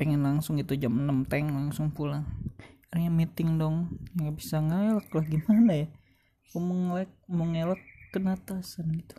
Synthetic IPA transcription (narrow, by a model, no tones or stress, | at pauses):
peŋɛnlaŋsʊŋɡit̪ud͡ʒamənəmt̪ɛŋlaŋsʊŋpulaŋaljamit̪ɪŋdɔŋjaŋɡabisaŋalak̚laɡimanaja | komɔŋlɛk̚mʊŋelakːənat̪asanɡit̪u̥